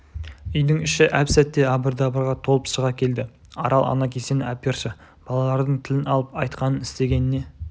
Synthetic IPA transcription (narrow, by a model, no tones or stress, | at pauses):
ʏjd̪ɪŋɪʃɪʔæpsæt̪ːe̞ɑbəɾd̪ɑbəɾʁɑt̪ʰo̞lˠəpsəʁɑkʲʰe̞ld̪ɪ | ɑɾɑlˠɑ̰nɑkʲʰese̞nɪapʲerʃə | b̥ɑlˠɑlˠɑɾd̪əɴt̪ʰɪlɪnɑlˠəpɑjt̪qɑnənɪst̪e̞ɡʲe̞nɪne̞